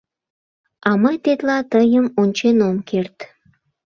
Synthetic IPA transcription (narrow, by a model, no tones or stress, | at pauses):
ɑməjt̪et̪lɑt̪əjəmonʲt͡ɕenomkert̪